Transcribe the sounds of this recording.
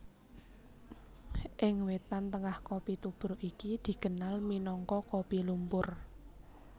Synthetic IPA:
ʔɪŋwet̪ant̪əŋahkopit̪ub̥ɾoʔikid̪̥i̤ɡ̥ə̤nalminɔŋkɔkopilumpʊr

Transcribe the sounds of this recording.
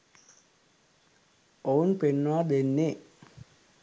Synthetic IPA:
ounpenːuad̪enːe

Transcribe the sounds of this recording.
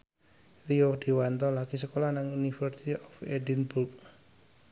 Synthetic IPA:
riod̪̥i̤want̪ɔlaɡ̥isəkolanaŋunifərsit̪iʔɔfɛdinbulk

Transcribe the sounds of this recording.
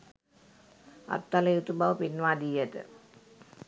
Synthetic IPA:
ɐ̰t̪ːɐlɐjut̪ubaʋpinʋaːd̪ijɐt̪ɨ̰

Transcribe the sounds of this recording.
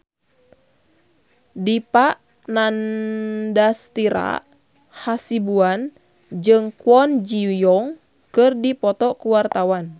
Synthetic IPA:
dipaʔ | nan | dast̪iɾa̰ | hasibuan | d͡ʒɨŋkuɔnd͡ʒijɔŋ | kɨrdipɔt̪ɔkuwart̪awan

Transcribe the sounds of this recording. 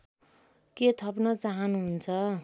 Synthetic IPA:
ket̪ʰʌpnʌt͡saɦʌnuɦunt͡sʰʌ

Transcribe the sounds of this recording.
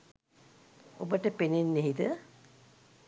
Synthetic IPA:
o̰bəʈəpenenːeɦit̪ə

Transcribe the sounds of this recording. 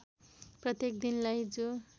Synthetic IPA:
prʌt̪jekd̪inlajd͡zo

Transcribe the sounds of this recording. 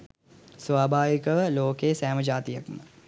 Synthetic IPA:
sʋaːbʱaːʋikəʋəloːkesæːməd͡ʒaːt̪ijɐkmə

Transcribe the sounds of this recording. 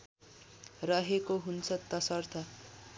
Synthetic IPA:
rʌɦekoɦunt͡sʰʌt̪ʌsʌrt̪ʰʌ

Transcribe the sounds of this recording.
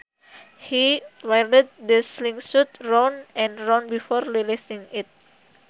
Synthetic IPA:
hiwaləd̪̚dəsliŋsut̪̚ronʔɛ̃nronbifɔrlilisiŋɪt̪̚

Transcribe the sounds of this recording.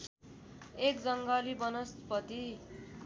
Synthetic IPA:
ekd͡zʌŋɡʌlibʌnʌspʌt̪i

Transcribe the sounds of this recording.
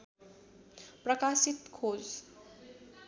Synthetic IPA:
prʌkasit̪kʰod͡z

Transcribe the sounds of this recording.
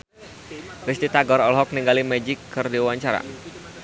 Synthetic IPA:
rist̪it̪aɡɔɾɔlɦɔk̚niŋɡalimɛd͡ʒɪkʰːɨrdiwaɲt͡ʃaɾa̰

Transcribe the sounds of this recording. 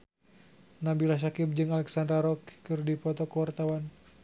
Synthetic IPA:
nabilaʃ̬akip̚d͡ʒɨŋalɛksandaɾɔkkɨrdipɔt̪ɔkəwart̪awan

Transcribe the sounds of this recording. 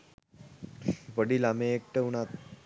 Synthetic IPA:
ʋəɽiːlameːk̚ʈəunat̪̚

